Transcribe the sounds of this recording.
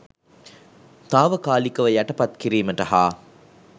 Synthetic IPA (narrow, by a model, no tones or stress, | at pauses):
t̪aːʋɐkaːlikɐʋɐjɐʈɐpɐt̪kiɾiːmɐʈɐhaː